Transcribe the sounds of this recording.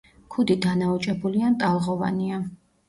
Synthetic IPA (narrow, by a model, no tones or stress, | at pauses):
kʰud̪id̪anaut͡ʃʼɛbuliant̪ʼalˠʁɔva̰nia